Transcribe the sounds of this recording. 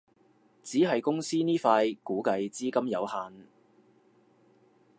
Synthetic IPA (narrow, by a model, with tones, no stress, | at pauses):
t͡siː˨˥ɦɐ˨jkʊ˥ŋsiː˥niː˥faː˧jkuː˨˥kɐ˧jt͡siː˥kɐ˥mjɐ˨˧whaː˨˧n